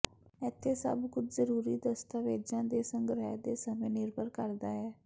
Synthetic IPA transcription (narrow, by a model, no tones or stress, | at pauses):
ɛːt̪ʰːeːsə̰bkʊt͡ʃzəɾuːɾiːd̪əst̪aːʋeːd͡ʒãːd̪eːsəŋɡɾɛd̪eːsəmẽːnɪɾbʱəɾkəɾd̪aːɛː